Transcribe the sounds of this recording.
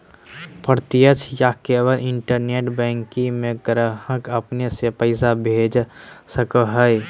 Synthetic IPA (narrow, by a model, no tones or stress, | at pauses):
pəɾt̪ijət͡ʃʰjakeːwəlɪɳʈəɾneːʈbɛ̃ːŋkĩmẽɡɾəɦəkəpnesepəɪsabʱeːd͡ʒsəkəɦəj